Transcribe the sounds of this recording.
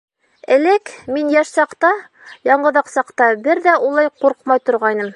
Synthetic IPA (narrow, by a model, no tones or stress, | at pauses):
ɘ̆lɘkminjæʃsɑqt̪ɑ | jɑɴɢɤ̆ðɑqsɑqt̪ɑbɘɾðæulˠɑjquɾqmɑjt̪ŏɾʁɑjnɤm